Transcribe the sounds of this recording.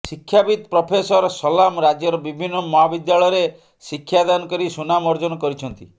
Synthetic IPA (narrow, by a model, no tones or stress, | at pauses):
sikʰːjabid̪pɾɔpʰesɔɾɔsɔlamɾad͡ʒjɔɾɔbibʱinːɔmɔɦabid̪jaɭɔjɾe | sikʰːjad̪anɔkɔɾisunamɔɾd͡ʒɔnɔkɔɾit͡ʃʰɔnt̪i